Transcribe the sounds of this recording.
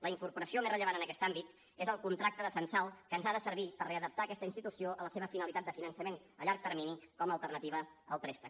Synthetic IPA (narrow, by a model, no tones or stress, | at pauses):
ləiŋkuɾpuɾəsiomezrəʎəβanənəkɛst̪ambit̪ | ezəlˠkunt̪ɾak̚t̪əðəsənsalˠkənzaðəsəɾβipəreəðəp̚t̪aːkɛst̪əinst̪it̪usioʔələseβ̞əfinəlˠit̪at̪d̪əfinənsəmen | əʎaɾk̚t̪əɾminikɔməːlˠt̪ərnət̪iβ̞əəlˠp̪ɾest̪ə